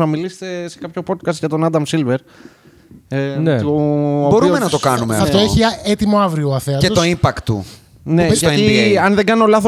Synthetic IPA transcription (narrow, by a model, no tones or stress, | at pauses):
ɐmilise̥t̪e̞se̞kɐpço̞po̞t̪̚kɐst̪ʝɐt̪o̞nɐd̪ɐmsilve̞ɾ | nt̪oobo̞ɾuomenɐt̪o̞kɐnumeɐfft̪oeçiet̪imo̞ɐvɾioɐθeɐteot̪oimpɐkt̪ːṵ | ne̞ʝɐiɐnðe̞ɡɐnio̞lɐθo